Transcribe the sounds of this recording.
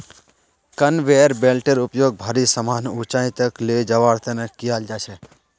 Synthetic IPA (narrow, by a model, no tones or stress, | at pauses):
kɐnʋeːəɾbeːlʈeɾʊpjoːɡ̚bʱaːɾisəmaːnuːt͡ʃãːĩt̪əkleːd͡ʒɐʋaːɽt̪ənəkːijaːld͡ʒaːt͡ʃʰɛː